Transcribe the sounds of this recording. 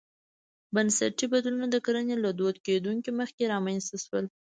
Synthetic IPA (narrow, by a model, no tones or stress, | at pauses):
bənsa̰ʈibad̪lunod̪əkaɾənelad̪od̪ked̪uŋkiməxkeɾɑmanst̪aʃwəl